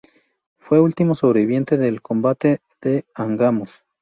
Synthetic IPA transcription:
fweult̪imosoβɾeβiβje̞nt̪eðelkombat̪e | ðeaŋɡamos

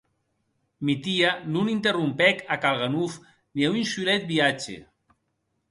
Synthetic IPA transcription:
mit̪ianunint̪erumpɛkakalˠɣanuf | niaunsulɛt̪̚biat͡ʃḛ

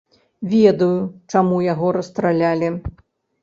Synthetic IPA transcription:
vʲɛd̪ɐjut͡ʂamujaɣɔɾɐst̪ɾalʲalʲi

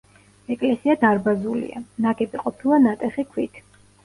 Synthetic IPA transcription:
ɛkʼlɛsiad̪aɾbazulḭa̰naɡʼɛbiqʼɔpʰilˠanat̪ʼɛχikʰwit̪ʰ

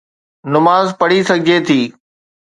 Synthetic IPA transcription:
nʊmaːzpɐɽisɐɡʱɪd͡ʑet̪ʰiː

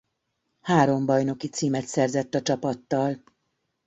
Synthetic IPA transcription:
haːɾo̞mbɒjno̞kit̪siːmɛt̪sɛrzɛt̪ːɒt͡ʃɒpɒt̪ːɒl

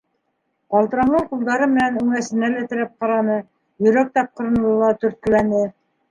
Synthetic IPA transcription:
qɑlˠt̪ɤ̆ɾɑɴɤɴqulˠd̪ɑɾɤmɘ̆nænʉŋæsɘ̆nælæt̪ɘ̆ɾæp̚qɑɾɑnɤ | jɵ̆ɾæk̚t̪ɑp̚qɤ̆ɾɤ̆n̆lˠɤ̆lˠɑt̪ɵ̆ɾt̪̚kɘ̆lænɘ

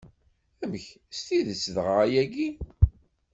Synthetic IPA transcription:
æməç | st̪iðət͡sːðʁəʁæjæɡi

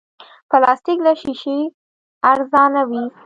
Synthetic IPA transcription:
pəlɑst̪iklaʃiʃe | aɾzɑnawi

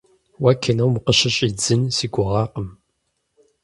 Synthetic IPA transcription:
wakʰɐnɐwmqəɕɐɕʼiːd͡zɨnsiːɡʷʊʁɑːqəm

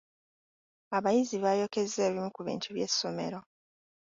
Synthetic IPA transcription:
aβajiziβajo̞ke̞ze̞ːβimukuβḭːntuβje̞sːo̞me̞̰ɾo̞

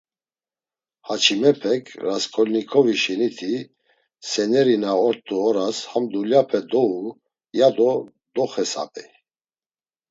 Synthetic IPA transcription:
hat͡ʃʰimɛpʰɛkʰɾaskʰɔlnikʰɔviʃɛnit̪ʰi | sɛnɛɾinaɔɾt̪ʼːuɔɾashamd̪uljapʰɛd̪ɔu | jad̪ɔ | d̪ɔχɛsa̰pʼɛ

